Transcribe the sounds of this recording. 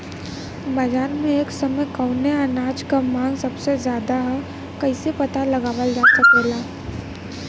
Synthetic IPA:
bɐd͡ʒaːɾmẽeːksɐməkəʊneanaːd͡ʒkamãːŋɡsɐbsezjaːd̪aɦɛ | kɐɪsepɐt̪alɐɡaːʋəld͡ʒaːsəkelaː

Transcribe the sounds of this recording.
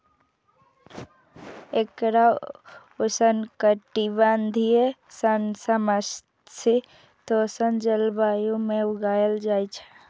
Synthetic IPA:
ekɾa | ʊsənkəʈiband̪ʱiesənsəməs | si | t̪osənd͡ʒəlbaːjõmẽʊɡaːjəld͡ʒaːit͡ʃʰɛ̥

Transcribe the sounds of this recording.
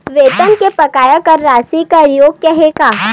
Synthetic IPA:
ʋeːt̪ənkepɐkaːjakɐɾːaːsikaɾjoːɡ̚kɛɦekaː

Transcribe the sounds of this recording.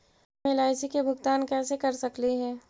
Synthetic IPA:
elaːɪsikebʱʊɡt̪aːnkɛːsekɐɾsɐkliɦɛ̃ː

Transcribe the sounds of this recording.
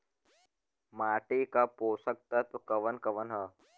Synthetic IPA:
maːʈiːkaːpoːsək̚t̪ət̪kɐʋənkɐʋənɦa

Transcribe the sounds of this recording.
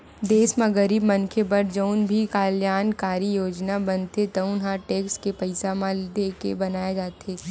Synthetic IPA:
d̪eːsmãɡɐɾiːbmɐnkʰebɐɾd͡ʒəʊnbʱikaːljaːnkaːɾijoːd͡ʒnabɐnt̪et̪ɐʊ̃nɦãʈeːkskepɐɪsamãld̪eːkḛbɐnaːjad͡ʒaːt̪eː

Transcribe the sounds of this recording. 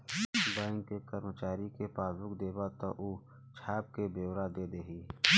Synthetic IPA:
baːɪ̃ŋɡkekəɾmət͡ʃaːɾikepaːsʊkd̪eːbat̪ɔ̰ʔuː | t͡ʃʰaːb̚kebeːwɾad̪eːd̪eːɦiː

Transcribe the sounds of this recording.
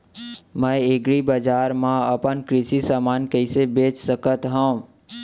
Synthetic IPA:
mə̃eɡɾibəd͡ʒaːɾmãəpənkɾɪsisaːmaːnkəɪsebeːt͡ʃsəkət̪ɦə̃ː

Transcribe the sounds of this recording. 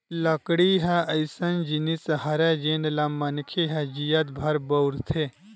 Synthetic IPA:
lɐkɽiɦɛ̃ɐjsɐnd͡ʒinisɦɐɾɛd͡ʒenlɐmːɐnkʰeɦɛd͡ʒijɐt̪̚bʱɐɾbɐwɾt̪ʰe

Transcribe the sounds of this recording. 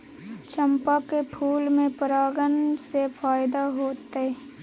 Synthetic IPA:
t͡ʃʰəmpakepʰuːlmẽpəɾaːɡənsefaːjd̪aɦoːt̪e

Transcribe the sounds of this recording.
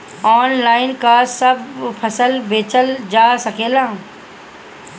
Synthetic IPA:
ɔːnlaːɪnkasəbpʰɐsəlbeːt͡ʃəld͡ʒaːsɐkʰeːlãː

